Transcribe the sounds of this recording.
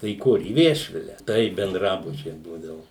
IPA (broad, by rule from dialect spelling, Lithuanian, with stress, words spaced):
tɐɪ iː ˈkʊr iː ˈʋʲiɛʃʲʋʲɪlʲɛ tɐɪ bʲɛnˈdrɑːbʊt͡ʃʲɛɪ ˈbuːdɐʋʊ